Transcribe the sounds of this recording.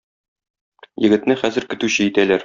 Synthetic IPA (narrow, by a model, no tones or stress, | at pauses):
jɘ̆ɡɘ̆t̪nɘχæzɘ̆ɾkɘ̆t̪ʉɕɘjit̪ælæɾ